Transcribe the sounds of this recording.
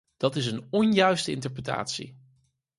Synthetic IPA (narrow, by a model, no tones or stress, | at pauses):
d̥ɑtɪsənɔnjœɥstəɪ̰ntəɹprəta̰ːtsḭ